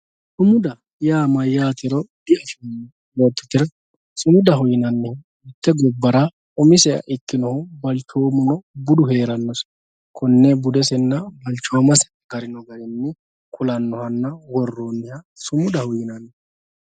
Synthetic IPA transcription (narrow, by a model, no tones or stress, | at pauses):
sʊmʊd̪ɐ | jaːmɐjaːt̪ɛɾɔd̪ɪɐfɪ | woːt̪ːʊ̥t̪ɪɾ | sʊmʊd̪ɐɦʊjɪnɐnːɛ | ɪt̪ːɛɡɔbːɐɾa | ɔmɪsɛɐ̰ʔɪkːɪnɔhʊbɐlt͡ʃoːmʊnɔbʊd̪ʊheːɾɐnːɔs | kʰɔnːebʊd̪ɛsɛnːɐbɐlt͡ʃːɔwɐmɐsɛ̥ | ɡ̥ɐɾɪnɔɡɐɾɛnːɪ | kʊlɐnːɔhɐnːɐwɔrːoːnːɛhɐ | sʊmʊd̪ɐhʊjɪnɐnːɛ